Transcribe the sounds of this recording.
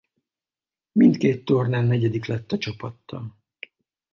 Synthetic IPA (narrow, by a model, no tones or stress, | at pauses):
mint̪keːt̪ːornaːlnɛɟɛd̪iklɛt̪ːɒt͡ʃɒpɒt̪ːɒ̰n